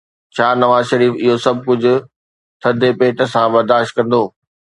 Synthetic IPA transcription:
t͡ɕʰaːnɐʋaːzʃɐɾiːfɪɦosɐb̚kʊd͡ʑʱʊ̆ | t̪ʰɐd̪ʱepeːʈə̆sãbɐɾd̪aːʃt̪̚kɐ̃nd̪oː

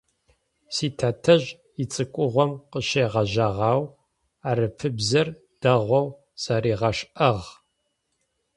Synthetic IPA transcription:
siːtʰatʰɐʑ | it͡sʼɨkʷʼʊʁʷɔmqəʃejʁɐʑɐʁɑːw | aːɾɨpʰɨbzɐr | d̥ɐʁʷɔw | sɐɾiːʁɐʃʔɐʁ

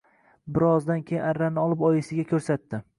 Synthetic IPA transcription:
bɪɾɒzd̪ankʲʰejɪnaɾːanɪɒlˠɪpɒjɪsɪɡʲakʲʰɵɾsat̪ːɪ

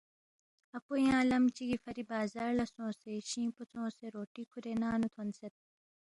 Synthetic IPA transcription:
ɐpojãːlɐmt͡ɕiɡifɐɾibaːzaːɾlɐsõːseɕĩːpot͡sʰõːseɾoːʈiːkʰuɾenaːnut̪ʰonset̪̚

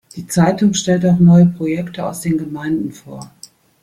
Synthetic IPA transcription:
d̥iːt͡saɪtʊŋʃtɛltaʊxnɔʏəpʁ̥ojɛktəa̰ʊsd̥eːnɡəmaɪndn̩foːɐ

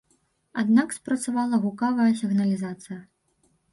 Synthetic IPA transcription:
ad̪nakspɾɐt̪savalˠɐɣukavɐjɐsʲiɣnɐlʲizat̪sɨjɐ

